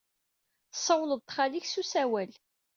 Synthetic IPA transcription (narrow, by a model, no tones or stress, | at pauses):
sˤːəwləðˤt̪ːχaliçsusæwæl